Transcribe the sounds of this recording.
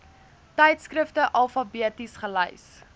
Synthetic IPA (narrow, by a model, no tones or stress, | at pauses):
tɛjtskrəftəʔɐlˠfɐbiətisχəlɛ̰js